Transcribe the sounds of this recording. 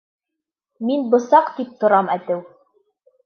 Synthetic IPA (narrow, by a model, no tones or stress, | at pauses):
minbŏsɑqt̪ip̚t̪ŏɾɑmæt̪ɘw